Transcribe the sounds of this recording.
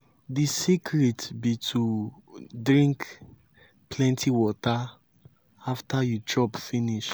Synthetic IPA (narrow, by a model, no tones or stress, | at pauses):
disikʰɹitbitʰu | dɹĩŋk | plɛ̃ntʰiwɔta | aftajud͡ʒɹɔbfiniʃ